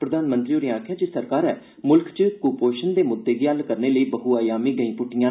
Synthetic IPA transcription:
pɾəd̪aːnmə̃nt̪ɾiːoːɾĩãːkʰjaːd͡ʒeːsəɾkaːɾɛː | mʊlkt͡ʃkuːpoːʃənd̪eːmʊd̪ːeːɡiːɦəlkəɾneːləiːbəɦuːaːjaːmiːɡəĩːpʊʈːɪjãː

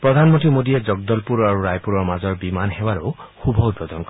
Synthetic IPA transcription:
pɹɔd̪ʱanmɔnt̪imod̪ied͡ʒɔɡ̚d̪ɔlpuɾaɾuɾajpuɾɔɹmazɔɹbimanhewaɾuxubʱɔut̪̚bɔd̪ɔnk

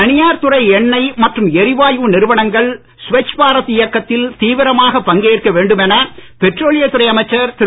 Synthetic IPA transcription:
ɐnɪjaːɾt̪ɯrɐɪɛɳːɐɪmɐʈrɯmɛɾɪʋaːjʋɯnɪɾɯʋɐɳɐŋɡɐɭ | sʊʋɛt͡ʃːpaːɾɐt̪ɪjɐkːɐt̪ːɪlt̪iːʋɪɾɐmaːɣɐpːɐŋɡeːrkɐʋeːɳɖɯmɛnɐpɛʈroːlɪjɐt̪ɯrɐɪɐmɐɪt͡ʃːɐɾt̪ɪ

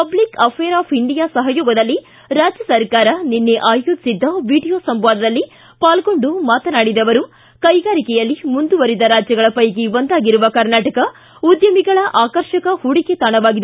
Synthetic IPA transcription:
pɐblikɐpʰɛːɾaːpʰiɳɖijaːsɐɦɐjoːɡɐd̪ɐlːi | ɾaːd͡ʒjɐsɐɾkaːɾɐninːeʔaːjoːd͡ʒ̪i̥sid̪ːɐʋiːɽijoːsɐmʋaːd̪ɐd̪ɐlːi | paːlɡo̞ɳɖumaːt̪ɐnaːɽid̪ɐʋɐɾu | kɐjɡaːɾikɛjɐlːimund̪uʋɐɾid̪ɐɾaːd͡ʒjɐɡɐɭɐpɐjɡiond̪aːɡiɾuʋɐkɐɾnaːʈɐkɐ | ud̪jɐmiɡɐɭɐʔaːkɐɾʃɐkɐhuɽiket̪aːɳɐʋaːɡid̪e

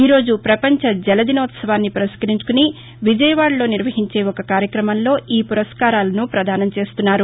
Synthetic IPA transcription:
iːɾo̞ːd͡ʒupɾɐpɐɲt͡ʃɐd͡ʒɛlɐd̪inoːt̪sɐʋaːnːipɐɾɐskɐɾiɲt͡ʃu̥kuni | ʋid͡ʒɐjɐʋaːɽlo̞ːniɾʋɐɦiɲt͡ʃe̞ːɔkɐkaːɾjɐkɾɐmɐnlo̞ːʔiːpuɾɐskaːɾaːlɐnupɾɐd̪ʱaːnɐmt͡ʃe̞ːst̪unːaːɾu

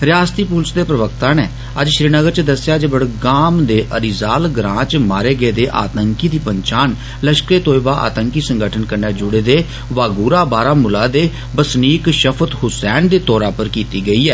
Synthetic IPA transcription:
ɾɪjaːst̪iːpuːlsd̪eːpɾəʋək̚t̪ãːneː | əd͡ʒʃɾiːnəɡəɾt͡ʃəd̪əsjaːd͡ʒebəɽɡaːmd̪eːʔəɾizaːlɡɾãːt͡ʃmaːɾeːɡeːd̪eːʔa̰ːt̪əŋkiːd̪iːpəɲt͡ʃaːn | ləʃkɾeːt̪oːibaːʔa̰ːt̪əŋkiːsəŋɡəʈʰənkəɾnaːd͡ʒʊɽeːd̪eː | ʋaːɡuːɾaːbaːɾaːmʊlaːd̪eː | bəsniːkʃəpʰət̪hʊsɛːnd̪eːt̪ɔːɾaːpəɾkiːt̪iːɡəiːɛː

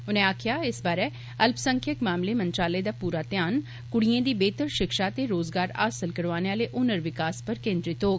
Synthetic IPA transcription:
ʊnẽːaːkʰɪjaːɪsbaːɾeː | əlpsəŋkʰəkmaːmleːmənt͡ʃaːleːd̪aːpuːɾaːt̪ɪjaːn | kʊɽiẽːd̪iːbeːt̪əɾʃɪkʃaːt̪eɾoːzɡaːɾa̰ːsəlkəɾʋaːneaːleːʔʊnəɾʋɪkaːspəɾkẽːnd̪ɾit̪oːk

